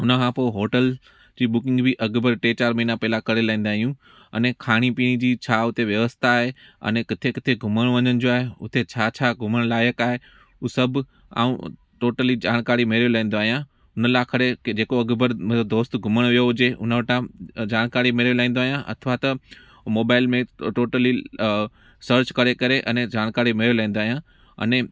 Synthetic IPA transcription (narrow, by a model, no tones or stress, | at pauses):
ʊnəkʰãːpoːɪɦoːʈəl | d͡ʑiːɓʊkɪ̃ŋɡbɪʔɐɡbəɾʈeːt͡ɕaːɾmɐɦiːnapɛːlakɐɽelaːĩːn̆d̪aːɦijũ | ɐ̰nekʰaːɽ̃ipiːɽ̃id͡ʑiːt͡ɕʰaːʊt̪eʋjɐʋəst̪ʰaːɦeɐ̰nẽkɪt̪ʰekɪt̪ʰeɡʱʊməɽ̃ʋɐɲənɪ̆d͡ʑoːaːɦeʊ̰t̪et͡ɕʰaːt͡ɕʰaɡʱʊməɽ̃laːjəkaːɦe | uːsɐbʱ | a̰ːṵ̃ | ʈoːʈəlid͡ʑaːɽ̃kaːɾimɪɾjolaːĩːnd̪oaːɦijã | ʊnəlaːkʰɐɽed͡ʑeːkoɐɡbəɾmɐəb̚d̪oːst̪ɡʱʊməɽ̃ʋijoɦʊd͡ʑeʊ̰nəʋɐʈãd͡ʑaːɽ̃kaːɾimɪɾjolaːĩnd̪oaːɦjãʔɐ̰t̪ʰʋat̪ɐ | moːbaːɪlmẽʈoːʈəli | səɾt͡ɕkɐɾekɐɾeʔɐ̃nẽd͡ʑaːɽ̃kaːɾimɪɾjolaːĩːn̆d̪oaːɦijã | ɐ̰ne